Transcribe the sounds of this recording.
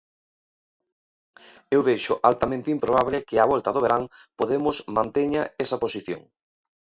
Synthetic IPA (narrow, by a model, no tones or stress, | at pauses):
ewβejʃʊʔalt̪amẽnt̪ɪimpɾoβ̞aβlɪkɪaβɔlt̪ɐðoβ̞eɾaŋpoðemʊsmãnt̪eɲaesɐposiθjo̰ŋ